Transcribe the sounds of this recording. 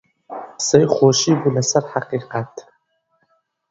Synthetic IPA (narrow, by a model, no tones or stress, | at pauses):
sɛjχʷoːʃibulɐsaɾħaqiːqat̪ʰ